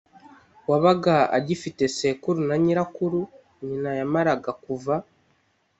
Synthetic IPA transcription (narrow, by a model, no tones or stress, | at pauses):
waβaɡaa̰ɟifite̞se̞kuɾunaɲiɾakuɾu | ɲinajamaɾaɡakuva